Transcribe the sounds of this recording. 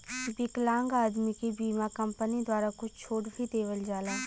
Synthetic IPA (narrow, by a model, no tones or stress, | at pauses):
bɪklãːŋɡaːd̪mikebiːmakɐ̃mpənid̪waːɾakʊt͡ʃt͡ʃʰoːʈbʱid̪eːʋəld͡ʒaːlaː